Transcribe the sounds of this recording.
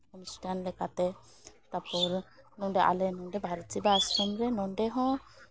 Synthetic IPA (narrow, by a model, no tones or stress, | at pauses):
kɔmsʈanlɛkat̪ɛ | t̪apɔɾnɔɖɛʔa̰lɛnɔɖɛbʱaɾt͡ʃibaskɔmɾɛnɔɳɖɛɦɔ̃